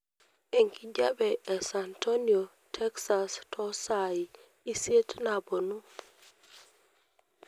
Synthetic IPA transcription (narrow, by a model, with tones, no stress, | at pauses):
e˨ŋki˨d͡ʒa˦bɛe˨sa˨nto˦nio˨ | tʰɛ˦ksa˨stʰɔ˦sa˨i˨ | i˦se˦tna˨bo˨nu˦